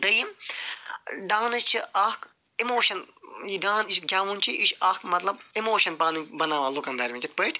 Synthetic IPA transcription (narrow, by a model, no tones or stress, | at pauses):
d̪ɐjim | ɖ̪aːnɐst͡ʃʰiʔaːk | imoːʃɐn | idãːniʃɡʲaːʋunt͡ʃʰiʔiʃaːkmɐt̪lɐbimoːʃɐnpaːnubɐnaːʋãːlukɐnd̪ɐɾʲʋĩkʲit̪̚pəʈʲʰ